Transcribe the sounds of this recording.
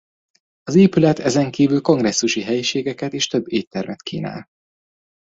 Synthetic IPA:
ɒzeːpylɛt̪ɛzɛŋkiːvylko̞ŋɡrɛsːuʃiɦɛjiʃeːɡɛkɛt̪eːʃt̪øbːeːtt̪ːɛrmɛt̪kʰḭːna̰ːl

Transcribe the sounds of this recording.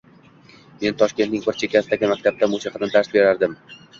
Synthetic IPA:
me̞nt̪ʰɒʃkʲe̞nt̪nɪŋbɪɾt͡ʃʰekʲʰasɪd̪aɡʲɪmak̚ʲt̪ʰab̚t̪ʰamʊsiqʰɑt̪nt̪ʰaɾsbe̞ɾaɾd̪ɪm

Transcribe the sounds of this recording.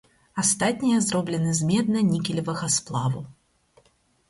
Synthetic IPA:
ast̪atʲnʲijɐzɾɔblʲɪnɨzmʲɛd̪̚nɐnʲikʲɪlʲɪvɐɣɐsplˠavu

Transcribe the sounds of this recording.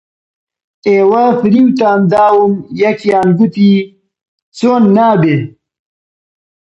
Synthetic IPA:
eːwɐfɾimt̪aːnd̪aːwumjɐkijaːnɡut̪i | t͡soːnːaːbe

